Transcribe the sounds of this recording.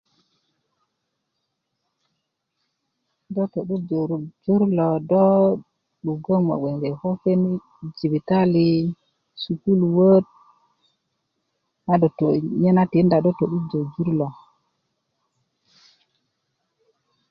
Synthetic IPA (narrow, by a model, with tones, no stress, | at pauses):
do˦to˨ɗu˦d͡ʒo˨ɾu˨d͡ʒu˦ɾlo˨do˦ | ɗu˨ɡo˦ma̰˨we˨ŋɡe˨ho˦fe˦ni˦ | d͡ʒi˨vi˨ta˦li˦ | su˨ku˦lwə˦t̚ | na˦do˨to˨ɲe˦na˦ti˨˦nda˨do˦to˨ɗu˦d͡ʒo˨d͡ʒu˦ɾlo˨